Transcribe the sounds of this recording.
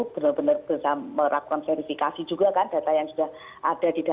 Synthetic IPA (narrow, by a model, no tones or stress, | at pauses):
b̥ənərbənərb̥əsaməɾʔa̰kanfɛɾifikasid͡ʒuɡakanda̤t̪ajaŋsudah | ʔad̥adida